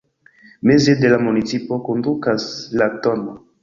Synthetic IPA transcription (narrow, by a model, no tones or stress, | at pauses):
me̞zede̞lamunit͡sipo̞kondukaslatono